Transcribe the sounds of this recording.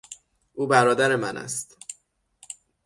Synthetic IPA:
ʔuːbæɾɒːd̪æɾe̞mænæ̰st̪

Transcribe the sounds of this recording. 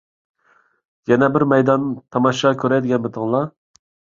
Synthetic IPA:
jɛnɛbɪɾmɛjd̪ɑnt̪ʰɑmɑʃɑkʲʰøɾɛd̪ɪɡʲɛnbɪt̪ʰɨŋlˠɑ

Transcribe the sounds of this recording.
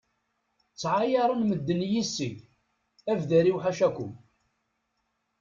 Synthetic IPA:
t͡sːʕajɑɾˤənməd̪ːənjisːəɡ | ævðæɾiwħaʃækʷʊm

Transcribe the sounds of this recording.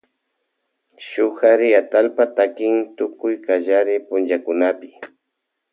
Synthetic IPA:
ʃʊhaɾɪat̪alpat̪akɪŋt̪ʊkʊjkaʒaɾɪpʊnd͡ʒakʊnapɪ̥

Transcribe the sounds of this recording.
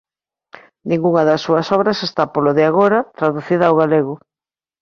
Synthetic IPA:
nĩŋɡuŋɐðɐsːuɐsɔβɾɐsest̪apoloðɪaɣ̞oɾɐt̪ɾaðuθiðɐːwɣaleɣʊ

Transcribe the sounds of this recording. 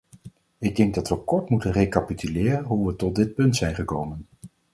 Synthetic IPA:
ɪɡ̚dɛŋɡ̚dɑtʋəkɔɹtmutənrejkapitʰylɪːrənɦuʋətɔt̚dɪt̚pɵntsɛjnχəkowmən

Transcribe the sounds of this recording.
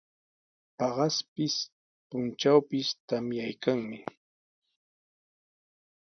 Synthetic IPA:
pɑɢɑspɪs | pʊnt͡ʃawpɪst̪amjajkaŋmɪ

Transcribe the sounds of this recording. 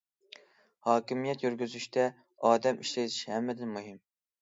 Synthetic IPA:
hɑːkʲimijɛt̪jyɾɡʲyzyʃt̪ʰɛ | ɑːd̪ɛmiʃlet̪ʰɪ̥ʃhɛmːɪd̪ɪnmuɦɪm

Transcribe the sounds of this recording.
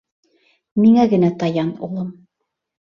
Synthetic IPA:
miŋæɡɘ̆næt̪ɑjɑnṵlˠɤm

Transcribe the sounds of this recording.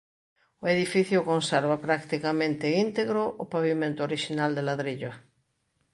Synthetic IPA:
ʊeðifiθjʊkonseɾβapɾakt̪ikamẽnt̪eint̪eɣɾoʔʊpaβimẽnt̪ʊoɾiʃinald̪elaðɾiʎo

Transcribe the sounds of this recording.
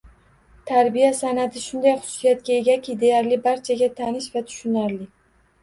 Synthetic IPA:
t̪ʰaɾbijasanat̪ʰɪʃʊnd̪ajχʊ̥sʊ̥sijat̪̚kʲae̞ɡʲakʲʰid̪e̞jaɾlɪbaɾt͡ʃʰaɡʲat̪ʰanɪʃvat̪ʰʊ̥ʃʊnaɾlɪ

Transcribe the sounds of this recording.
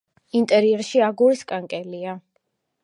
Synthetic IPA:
int̪ʼɛɾiɛɾʃiaɡuɾiskʼaŋkʼɛlia

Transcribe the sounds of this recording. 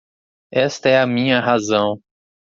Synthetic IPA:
ɛst̪ɐɛɐmĩɲɐɦazɐ̃w̃

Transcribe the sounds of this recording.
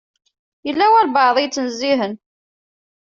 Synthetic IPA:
jəlːæwælbɑʕðˤijt͡sːənəzːiɦən

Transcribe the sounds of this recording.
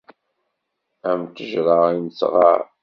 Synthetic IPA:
æmt̪əʒɾˤɑinəsʁɑ̰ɾ

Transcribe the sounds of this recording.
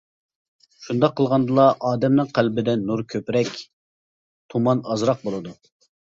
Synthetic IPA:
ʃund̪ɑqʰːəlˠʁɑnd̪ɨlˠɑʔɑːd̪ɛmnɨŋqʰælbɪd̪ɛnːuɾkʲʰøpɾɛkʲ | t̪ʰumɑnɑzɾɑq̚bolˠɨd̪u

